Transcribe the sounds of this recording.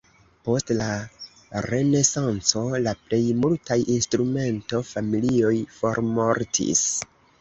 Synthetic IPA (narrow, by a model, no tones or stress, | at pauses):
po̞stla | ɾe̞ne̞sant͡so̞laple̞jmultajinstɾume̞nto̞familio̞jfo̞ɾmo̞ɾtʰḭs